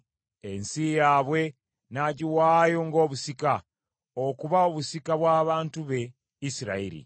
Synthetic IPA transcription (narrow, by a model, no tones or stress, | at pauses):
ensijaːβwe̞ | naɟiwaːjoŋɡo̞ːβusika | okuβaoβusikaβwaːβaːntuβe̞ | isiɾa̰ḭɾḭ